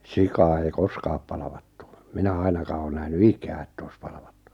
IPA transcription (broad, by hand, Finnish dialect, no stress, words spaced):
sikɑː ei koskɑːp pɑlɑ̆ʋɑ̥tːu̥ minæ ɑinɑkɑː oː næhny ikæː ĕtː oi̞s pɑlɑ̆ʋ̥ɑ̥tːu̥